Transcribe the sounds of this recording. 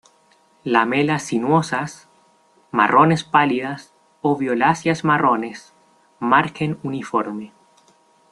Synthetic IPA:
lamelasːinwosas | ma̰rʔo̞ne̞spaliðas | oβjolasjasmarone̞s | maɾkenunifoɾme

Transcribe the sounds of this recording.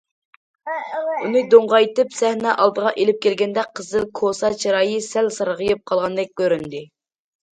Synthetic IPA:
unɨd̪oɴʁɑjt̪ɨpsɛhnɛʔɑlˠd̪əʁɑʔelɪp̚kʲʰɛlɡʲɛnd̪ɛqʰəzɨlˠkʰosɑt͡ʃʰiɾɑːjɨsælsɑɾʁəjɨp̚qʰɑlˠʁɑnd̪ɛk̚ʲkʲːøɾynd̪ɪ

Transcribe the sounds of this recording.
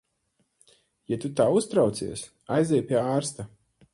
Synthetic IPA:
jat̪ut̪aːust̪ɾawt̪sḭɛs | ajzʲɛjpʲiɛaːɾst̪a

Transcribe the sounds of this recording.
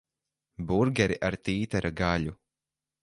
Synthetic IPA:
buɾɡʲɛɾiʔaɾt̪iːt̪ɛɾaɡaʎʲu

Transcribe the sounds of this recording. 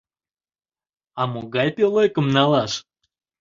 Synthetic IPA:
amuɡɑjpʲelˠojkə̆mnɑlˠɑʃ

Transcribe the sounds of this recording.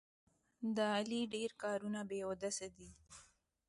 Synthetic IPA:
d̪əaliɖeɾkɑɾunabeod̪asad̪i

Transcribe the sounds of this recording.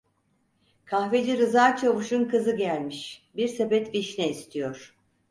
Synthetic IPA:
kʰahved͡ʒiɾɯzaːt͡ʃʰavɯʃunkʰɯzɯɟælʲmiʃbiɾsebɛt̪viʃnɛist̪ʰijoɾ̥

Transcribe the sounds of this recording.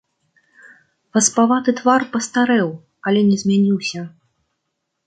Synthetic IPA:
pɐspavat̪ɨt̪varpɐst̪aɾɛw | ɐlʲɛnʲɛzʲmʲanʲiwsʲɐ

